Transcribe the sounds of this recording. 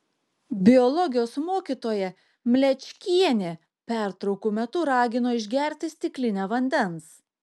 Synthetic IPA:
bʲɪɔlˠɔɡʲɪjoːsmoːkʲiːˑt̪oːjɛ | mʲlʲɛt͡ʃʲkʲiɛnʲeː | pʲæˑɾt̪ɾɒʊkuːmʲɛt̪ʊɾɑːɡʲɪnoːɪʒʲɡʲɛˑɾʲt̪ʲɪsʲt̪ʲɪklʲɪnʲæʋɐnʲd̪ʲɛns

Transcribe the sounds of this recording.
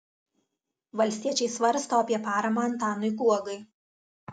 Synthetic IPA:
ʋɐlʲsʲt̪ʲiɛt͡ʃʲɛɪsʋɐɾst̪oːɐpʲiɛpɑːɾɐmɑɐnt̪ɑːnɔɪɡuɔɡɐɪ

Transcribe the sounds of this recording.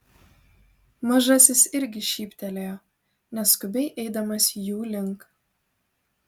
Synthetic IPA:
mɐʒɐsʲɪsɪɾʲɡʲɪʃʲiːpʲt̪ʲɛlʲejo | nʲɛskʊbʲɛɪʔɛɪd̪ɐmɐsʲjuːlʲɪŋk

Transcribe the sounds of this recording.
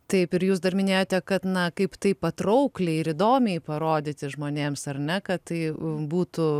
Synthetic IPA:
t̪ɐɪpɪɾjuːs̬d̪ɐrmʲɪnʲeːjoːt̪ʲɛkɐt̪nɐkɐɪpt̪ɐɪpɐt̪ɾɐʊklʲɛɪɪɾɪd̪oːmʲɛɪpɐɾoːd̪ʲɪt̪ʲɪʒmoːnʲeːmsɐrnʲɛkɐt̪t̪ɐɪbuːt̪ʊ

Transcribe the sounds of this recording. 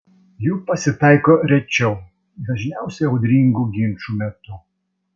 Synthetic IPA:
juːpɐsʲɪt̪ɐɪkoːɾʲɛt͡ʃʲɛʊ | d̪ɐʒʲnʲæˑʊsʲɛɐʊd̪ʲɾʲiŋɡuːɡʲɪnʲˑt͡ʃuːmʲɛt̪ʊ

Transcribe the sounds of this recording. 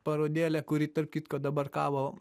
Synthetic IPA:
pɐɾod̪ʲeːlɛkuɾit̪əɾp̚kit̪kɔd̪ɐbɐɾka̰ːʋo

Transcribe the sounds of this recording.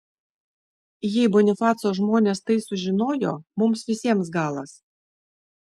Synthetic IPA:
jɛɪbɔnʲɪfɑːt̪soːʒmoːnʲest̪ɐɪsʊʒʲɪnoːjo̰ːmʊmsʋʲɪsʲiɛmsɡɑːlˠɐs

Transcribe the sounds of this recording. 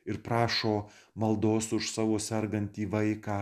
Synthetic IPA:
ɪɾpɾɑːʃoː | mɐlˠd̪oːsʊʃsɑːʋoːsʲɛɾɡɐnʲt̪ʲiːʋɐɪkɑː

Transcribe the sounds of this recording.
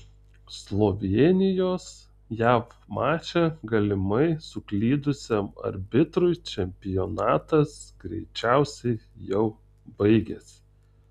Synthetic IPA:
slˠoːʋʲenʲɪjoːs | jæːfmɑːt͡ʃʲɛɡɐlʲɪmɐɪsʊklʲiːd̪ʊsʲemɐ̰ɾʲbʲɪt̪ɾʊɪt͡ʃʲɛmʲpʲɪjonɑːt̪ɐsɡ̥ɾʲɛ̰ɪt͡ʃʲæˑʊsʲɛɪjɛʊ | bɐɪɡʲeːs

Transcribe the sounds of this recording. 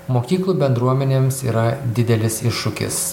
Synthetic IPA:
moːkʲiːklˠuːbʲɛnd̪ɾuɔmʲɛnʲeːmsiːɾɐd̪ʲɪd̪ʲɛlʲɪsɪʃːʊkʲɪ̰s

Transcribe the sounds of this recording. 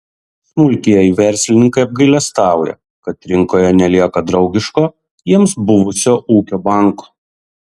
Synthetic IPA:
smʊlʲk̪ʲijɛɪʋʲɛɾʲsʲlʲɪnʲɪŋkɐɪɐb̚ɡɐɪlʲɛst̪ɑˑʊjɛ̰ | kɐt̪ɾʲɪŋkoːjɛnʲɛlʲiɛkɐd̪ɾɒʊɡʲɪʃkoː | jiɛmsbʊʋʊsʲoːʔuːkʲoːbɑˑŋkoː

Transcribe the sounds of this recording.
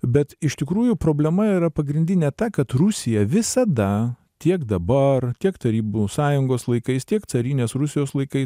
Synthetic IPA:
bʲɛt̪ɪʃt̪ʲɪkɾuːjʊpɾoːbʲlʲɛmɐiːɾɐpɐɡɾʲɪnʲd̪ʲɪnʲɛt̪ɐkɐt̪rʊsʲɪjɛʋʲɪsɐd̪ɐ | t̪ʲiɛkd̪ɐbɐrt̪ʲiɛkt̪ɐɾʲiːbusɑːjʊŋɡoːslˠɐɪkɐɪst̪ʲiɛk̪sɐɾʲiːnʲeːsɾʊsʲɪjoːslˠɐɪkɐɪs

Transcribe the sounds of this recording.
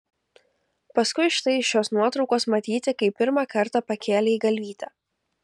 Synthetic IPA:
pɐskʊɪʃt̪ɐɪʃʲoːsnuɔt̪ɾɒʊkoːsmɐt̪ʲiːt̪ʲɪkɐɪppʲɪɾmɑːkɐɾt̪ɑpɐkʲeːlʲeiːɡɐlʲʋʲiːt̪ʲɛː

